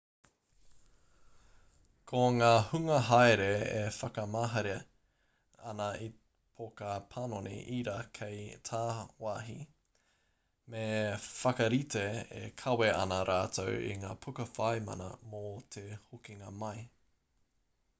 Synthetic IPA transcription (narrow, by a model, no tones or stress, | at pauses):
kʰoŋaːhʉŋɐɦaeɾeefɐkɐmaːɦɐɾi | ɐnɐi | pʰokɐpʰanonḭʔiɾakʰejtʰaːwaːɦi | mefɐkɐɾiteḛkʰɐweʔɐ̰nɐɾʔaːtʰowḭŋaːpʰukɐfajmɐ̰nɐ̰mot̪ʰehukiŋɐmɐj